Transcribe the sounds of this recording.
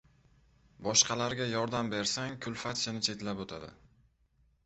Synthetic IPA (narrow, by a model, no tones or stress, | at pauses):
bɒʃqʰɑlaɾɡʲajɒɾd̪ambe̞ɾsaŋkʰʊlfat̪ʃɪnɪt͡ʃʰe̞t̪lapot̪ʰad̪ɪ̰